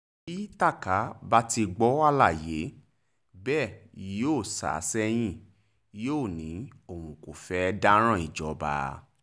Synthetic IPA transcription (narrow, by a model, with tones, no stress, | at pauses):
i˦ta˦˨ka˨˦ba˦ti˧ɡ͡bɔ˦a˦˧la˦˨je˨˦ | bɛː˦˨i˨˦oː˦˨sa̰˨˦sɛ˦j̃ĩ˦˨ | joː˦˨nĩ˨˦o˦˨wũ˨ko˨fɛ˨˦˧da˦ɾ̃ã˦˨i˨d͡ʒɔ˨˦ba̰˧